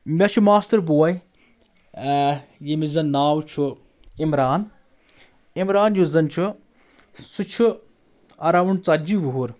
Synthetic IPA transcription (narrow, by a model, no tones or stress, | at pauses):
mʲɐt͡ʃʰumaːst̪ɐɾbuwɐj | jemizɐnnːaːwt͡ʃʰu | imɾaːn | imɾaːnjuzɐnt͡ʃʰu | sɨt͡ʃʰu | ɐɾaʋuɳt͡sɐd͡ʒiʋuɦuɾ